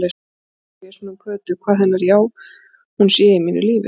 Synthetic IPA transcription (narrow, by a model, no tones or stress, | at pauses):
le | jɛ̥sɔnamkʰœːt̪ʏkʰvaːðhɛnːaɾjaw | hunsjɛːɪmiːnʏ̰liːvɪ̰